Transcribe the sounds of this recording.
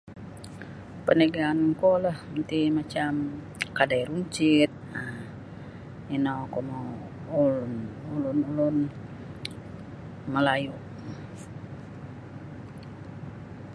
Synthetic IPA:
pəneɡaːnkolahənt̪imat͡ʃam | kadajɾuɲt͡ʃit̪̚a | inakɔma | ulunulunulun | məlajuʔ

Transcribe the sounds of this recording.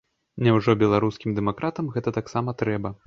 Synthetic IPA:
nʲɛwʐɔbʲɛlˠaɾuskʲimd̪ɛmakɾat̪ɐmɣɛt̪ɐt̪aksamɐt̪ɾɛbɐ

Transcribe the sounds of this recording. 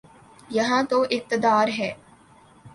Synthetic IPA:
jɐɦãːt̪oʔɪk̚t̪əd̪aːɾɦɛː

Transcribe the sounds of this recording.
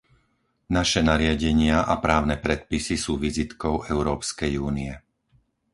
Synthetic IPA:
naʃɛnaɾɪaɟɛɲɪaʔapɾaːʊnɛpɾɛt̪̚pisisuːʋizit̪kɔʊɛʊɾɔːpskɛjuːniɛ

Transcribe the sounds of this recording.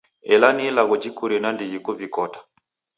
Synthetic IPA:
ɛlanilaɣɔd͡ʒikuɾɛnandiɡikuvikɔtḁ

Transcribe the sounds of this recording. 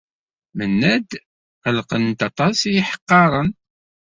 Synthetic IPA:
mənːæd̪ | qəlqənt̪ɑt̪ˤɑsijiħə̥qːɑɾˤən

